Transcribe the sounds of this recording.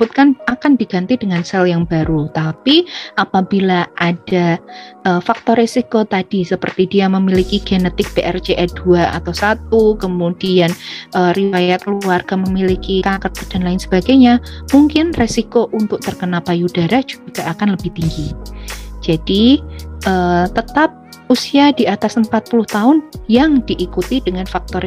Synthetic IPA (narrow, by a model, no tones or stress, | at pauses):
b̥ut̪̚kanakandiɡant̪idəŋansɛljaŋbaɾut̪apiapabilaʔad̥aʔəfak̚t̪ɔɾesikot̪ad̥isəpərt̪idiaməmilikiɡ̥enət̪ɪk̚peʔɛrd͡ʒeʔɛd̥uaa̰t̪awsat̪̚ukəmud̥ianəriwajat̪̚luarɡ̥aməmilikikakət̪̚ad̥anlaɪnsəb̥aɡajɲamuŋkɪnresikoʔunt̪ʊk̚t̪ərkənapajudaɾahd͡ʒu̥ɡɡ̥aakanləbɪht̪iŋɡi | d͡ʒad̥iʔəːt̪ət̪ap̚ | usiadiat̪asəmpat̪̚pulʊht̪aʊnjaŋdiʔːkut̪idəŋanfak̚t̪ɔ